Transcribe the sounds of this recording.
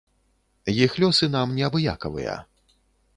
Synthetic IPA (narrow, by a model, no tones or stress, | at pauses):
jixlʲɔsɨnamnʲɛɐbɨja̰kɐvɨ̰jɐ̰